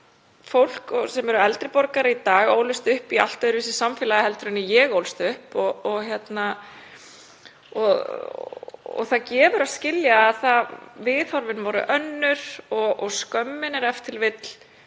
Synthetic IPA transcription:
fowl̥kɔsɛmɛɾʏɛlt̪ɾɪpɔɾkaɾɪit̪aːɣo̰ːwlʏst̪ʏhpia̰l̥t̪aðʏɾvɪsɪsamfɪːlaðɪhɛlt̪ɾʏnːɪjɛɣowlst̪ʏhpɔːçjɛt̪na | ɔ | ɔ̰θacɛːvʏɾascɪljaːðθaðvɪːðhɔɾvɪnvɔɾʏ̰ʔœnːʏɾ̥ɔʔɔskœmːɪnɛɾɛft̪ʰɪlvɪt̪l̥

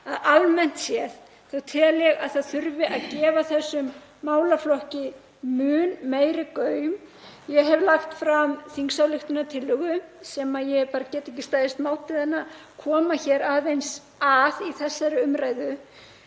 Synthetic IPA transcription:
aðalmɛn̥t̪sjɛθ | θawt̪ʰɪlɛɣaðθaðθʏɾvɪʔaðcɛːvaθɛsːʏmː | aːwlaflɔhcɪ | mʏːnmeːjɾɪkœːɥm | jɛɦɛvlaxt̪fɾamθiŋksawlɪxt̪ʏnat̪ʰɪlːʏɣʏsɛːmajɛpaːɾacɛːt̪ɛhcɪst̪aːjðɪst̪maːwt̪ɪðɛnːakʰɔːmaçɛːɾaːðvejns | aðiθɛsːaɾʏʏmɾaːjðʏ

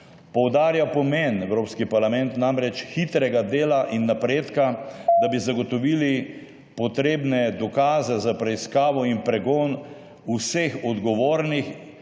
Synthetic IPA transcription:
pɔwd̪aːɾjapɔmenɛwɾoːpskipaɾlamɛnt̪namɾɛt͡ʃxit̪ɾɛɡad̪eːlaʔinːapɾeːt̪kad̪abizaɡɔt̪ɔʋili | pɔt̪ɾeːbnɛd̪ɔkaːzɛzapɾɛiskaːʋɔimpɾɛɡɔːn | usexɔd̪ɡɔʋoːɾnix

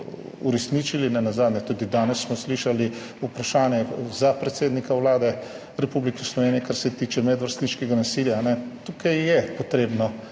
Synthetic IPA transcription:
uɾɛsnit͡ʃilinanazaːd̪nɲɛt̪ud̪id̪aːnɛsːmɔsliʃali | upɾaʃaːnjɛzapɾɛt̪seːd̪nikawlaːd̪ɛ | ɾɛpublikɛslɔʋeːnijɛkaɾsɛt̪iːt͡ʃɛmɛd̪ʋəɾst̪niʃkɛɡanasiljaːnɛt̪ukajjɛpɔt̪ɾeːbnɔ

